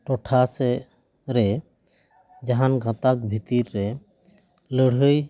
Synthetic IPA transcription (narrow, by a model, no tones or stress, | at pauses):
ʈɔʈʰasɛ | ɾɛ | d͡ʒaɦanɡãt̪ak̚bʱit̪iɾːɛ | ləɽɦəj